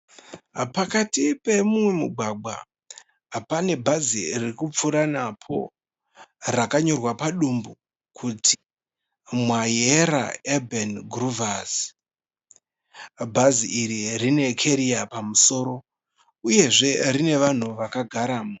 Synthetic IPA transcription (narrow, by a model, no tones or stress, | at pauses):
pakatipe̞mumwe̞muɡʱwaɡ͡bwa̰ | pane̞bʱazirikup͡fuɾanapʰo̞̰ | rakaɲo̞rwapaɗumbu | kʰuti̥ | mwajeɾa̰ebʱenɡruvaz | bʱaziiɾirine̞kʰeɾiapamuso̞ːɾo̞ | uje̞ʐe̞rine̞ʋan̤uʋakaɡʱaɾaːmo